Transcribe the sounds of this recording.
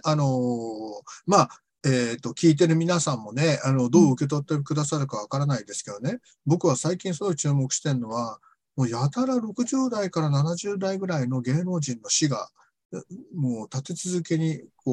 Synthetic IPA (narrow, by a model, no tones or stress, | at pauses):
ano̞ | maː | eːt̪ːo̞kʲiːt̪̬e̞ɾɯ̟mʲinasãmːo̞ne̞ano̞d̪o̞ːɯ̟ke̞t̪o̞t̪ːe̞kɯ̟d̪asaɾɯ̟kaβ̞akaɾanaid̪e̞sɨ̥ke̞d̪o̞ne | bo̞kɯ̟β̞asaikʲĩɰ̃sonokt͡ɕɨːmo̞kɯ̟̥ɕi̥t̪e̞nɯnːo̞βa | mo̞ːjat̪aɾaɾo̞kɯ̟ʑɨːd̪aikaɾananaʑɨːd̪aiɡɯ̟ɾaino̞ɡe̞ːno̞ːʑĩnːo̞ɕiɡa̰ | moːt̪at̪e̞t͡sɨzɨke̞ɲ̟iko